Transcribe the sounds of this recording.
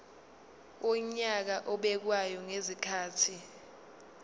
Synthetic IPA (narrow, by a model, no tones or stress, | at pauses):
ɔɲak̬aʔɔɓɛk̬wajɔŋezikʰaːtʰi